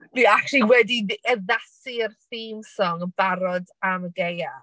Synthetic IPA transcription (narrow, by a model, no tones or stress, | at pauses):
niaχriwɛdiəðasirθiːmsɔŋb̥aɾɔdaməɡeja